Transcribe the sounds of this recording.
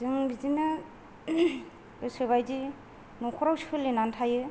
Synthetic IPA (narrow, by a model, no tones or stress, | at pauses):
zɯŋbizinɯ | ɯsɯβajzi | nɔkʰɔɾawsi̥pʰɯlenantʰajɯ